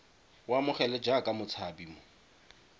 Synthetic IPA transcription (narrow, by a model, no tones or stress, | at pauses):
wamʊχɛlɛd͡ʒakʼamʊt͡sʰabiːmʊ